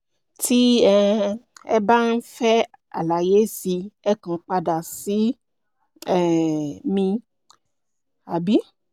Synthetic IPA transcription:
tʰi˦ɛ˦ɛ̰˦ba˦n̩˦fɛ˦ | a̰˨la˨je˦si˧ɛ˦kã˨k͡pa˧da˨si˨˦ | ɛ˨mĩ˧ | a˨bi˦

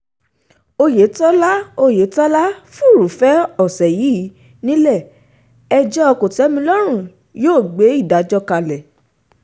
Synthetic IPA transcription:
o˧je˨˦tɔ˦la˦o˧je˨˦tɔ˦la˦fu˦˨ɾu˨fɛ˦ɔ˦˨sɛ˨ji˨˦˨ | nĩ˦lɛ˦˨ | ɛ˦˧d͡ʒɛ˦ɔ˧ko˨tɛ˨˦mĩ˧lɔ˦ɾ̃ũ˦˨ | joː˦˨ɡ͡be˨˦i˦˨da˨˦d͡ʒɔ˧ka˧lɛ˨

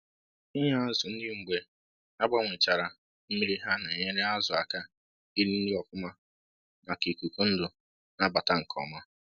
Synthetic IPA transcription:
i˦ɲa˦a˦zʊ˨n̩˦dɪ˦ŋ͡m̩˨ɡ͡be˨ | a˦ɡ͡ba˦ŋʷe˨t͡ʃa˨ɾa˨ | m̩˦mi˦ɾi˦ɦa˦na˨ɲe˦ɾe˦a˦zʊ˨a̰˨ka˦ | i˦ɾi˦n̩˦dɪ˦ɔ˨fʊ˦ma˦ | ma˨ki˨ku˨ku˦n̩˦dʊ˨ | na˦ba˨ta˦ŋ̩˨kʰɔ̰˨ma˦

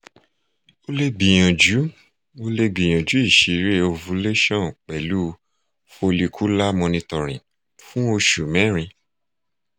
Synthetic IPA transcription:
o˦le˦ɡ͡bĩ˨j̃ã˨d͡ʒu˨˦ | o˧le˦ɡ͡bĩ˨j̃ã˨d͡ʒu˨˦i˦˨ʃi˨ɾe˦o˧vu˧˦le˦ʃɔ̃˦˨k͡pɛ˨lu˦ | fo˧li˧kʰu˦la˦mɔ̃˧nĩ˧tɔ˨ɾ̃ĩ˨ | fũ˦o˧ʃu˨mɛ̃˨˦ɾ̃ĩ˧

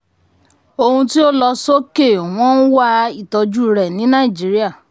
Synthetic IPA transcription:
o˧hũ˧ti˦o˦lɔ˧so˦ke˦˨w̃ɔ̃˦n̩˦wa˦i˦˨tɔ˧d͡ʒu˦ɾɛ˨nĩ˨˦nã˦˨i˨d͡ʒi˨˦ɾi˦a˦˨

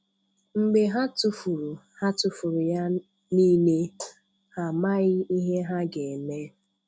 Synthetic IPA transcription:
ŋ͡m̩˨ɡ͡be˨ɦa˦tu˨fu˨ɾu˨ha˦tʊ˨fu˨ɾu˨ja˦ | ni˦ne˦ | ha˨ma˦ɣɪ˦i˦ɦe˦ɦa˦ɡe˨ne˦

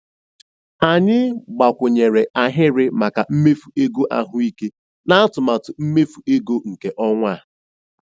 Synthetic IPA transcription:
a˨ɲɪ˦ɡ͡ba˨kʷʊ˨ɲe˨ɾe˨ʔa˨ɦɪ˦ɾɪ˦ma˨ka˨m̩˦me˦fu˨e˦ɡo˦ʔa˦ɦʊ˦i˦ke˦ | na˦a˦tʊ˨ma˨tʊ˨m̩˦me˦fu˨e˦ɡo˦ŋ̩˨ke˨ʔɔ˦ŋʷa˦˨

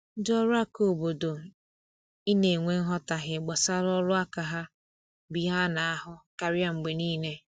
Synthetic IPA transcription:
dɔ˦ɾʊ˦a˦ko˨bo˨do˨ | i˦ne˨ŋʷe˦ŋ̩˦ɦɔ˦ta˨ɦɪ˨ɡ͡ba˨sa˦ɾɔ˦lʊ˦a˦ka˨ɦa˦ | bi˨˦ɦa˦na˨a˦ɦʊ˦ka˨ɾɪ˦a˦ŋ͡m̩˨ɡ͡be˨niː˦ne˦

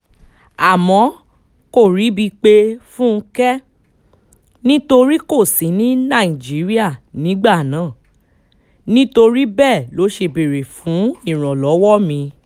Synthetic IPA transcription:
a˨mɔ̃˨˦ | ko˦˨ɾi˨˦bi˧k͡pe˦fũ˦˧kɛ˦ | nĩ˦to˧ɾi˦ko˦˨sĩ˨˦nĩ˦nã˦˨i˨d͡ʒi˨˦ɾi˦a˦˨nĩ˨˦ɡ͡ba˦˨nãː˨˦˨ | nĩ˦to˧ɾi˦bɛ˦˨lo˨˦ʃe˧be˨ɾe˨fũ˨˦i˦˨ɾ̃ɔ̃˨lɔ˨˦wɔ˦mĩ˧

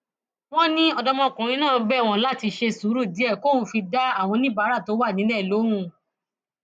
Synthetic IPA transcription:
w̃ɔ̃˦nĩ˦ɔ˧dɔ˧mɔ̃˧kũ˨ɾ̃ĩ˧nãː˦˨˦bɛ˦˨w̃ɔ̃˦˨la˦ti˧ʃe˧su˨˦ɾu˦˨di˨˦ɛ˦˨ko˦ũ˧˦fi˧da˦a˦˨w̃ɔ̃˧nĩ˦ba˨˦ɾa˦˨to˨˦wa˦˨nĩ˨˦lɛ˦˨lo˨˦ɾ̃ũ˦˨

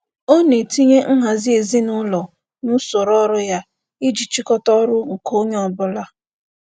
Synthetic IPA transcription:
o˦ne˨ti˦ɲe˦ŋ̩˦ɦa˨zi˦e˨zi˦nʊ˦lɔ˨ | nʊ˦so˨ɾɔ˦ɾʊ˦ja˦ | ɪ˦d͡ʒi˨t͡ʃi˦kɔ˦tɔ˦ɾʊ˦ŋ̩˨ko˦ɲe˦ɔ˨bʊ˦la˦

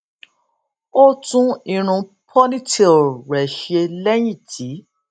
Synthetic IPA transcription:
o˦tũ˦ĩ˨ɾ̃ũ˧pʰɔ˦nĩ˦te˧o˨ɾɛ˨ʃe˧lɛ˦j̃ĩ˦˨tʰi˨˦

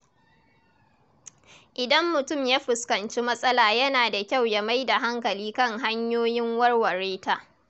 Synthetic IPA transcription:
ʔɪ˨dɐ˦mːʊ˨tʊ˦˨mjaː˦ɸɪ˨skɐ˨nt͡ʃi˦mɐ˦sʼɐ˦laː˨jɐ˦naː˨da˨kʲa˦˨wja˦ma˦jda˨ɦa˦ŋkɐ˨liː˦kɐ˦ŋɦa˦ɲjoː˦jɪ˦ŋwɐ˦rwɐ˨ɾeː˦taː˦

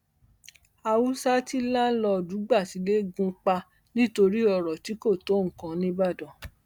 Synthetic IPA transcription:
a˧wu˦sa˦ti˦lã˦n̩˦lɔ˧˨du˨˦ɡ͡ba˦˨ti˨˦le˦ɡũ˦k͡pa˧ | nĩ˦to˧ɾi˦ɔ˧˨ɾɔ˨ti˨˦ko˦˨to˨˦ŋ̩˨kã˧nĩ˦ba˦˨dɔ̃˨

